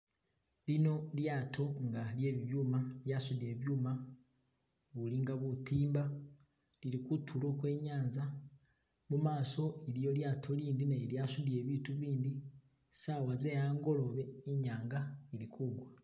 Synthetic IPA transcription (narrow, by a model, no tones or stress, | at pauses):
lino̞ljaːtʰo̞ŋɡalje̞ːβiβjuːmaljasudie̞βjuːma | βuliŋɡaβutiːmba | liɾikutʰulo̞kwe̞ːɲaːnza | mumaːso̞elijo̞ljaːtʰo̞liːndinaljaːsudje̞βiːtuβiːndi | saːwazejaːŋɡo̞lo̞βe̞eɲaːŋɡaeɾikuɡwa